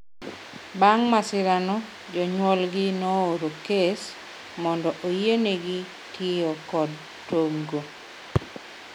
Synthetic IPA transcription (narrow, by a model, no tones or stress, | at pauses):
baŋmasɪɾanɔ | d͡ʒɔɲwɔlɡɪnooɾokes | mɔndɔʔojeneɡɪ | tʰjeɔkɔd | toŋɡo